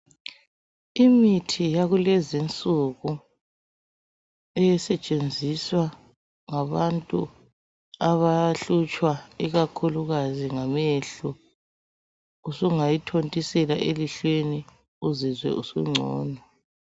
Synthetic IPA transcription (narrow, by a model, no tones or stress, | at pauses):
imitʰijaɣulɛzint͡sʼuɣu | ɛjɛsɛt͡ʃʼend͡zʱiswa | ŋaβantʼṵ | aβaɬut͡ʃʼwaiɣakʰuluɣaziŋamɛɬu | usuŋajitʰontʼisɛlaʔeliɬweni | uzizwɛ̰ʔusṵŋ͡ǀʱɔ̰ːna